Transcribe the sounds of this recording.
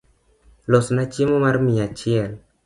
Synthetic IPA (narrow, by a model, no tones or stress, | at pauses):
lɔsnat͡ʃemomarmɪat͡ʃɪɛl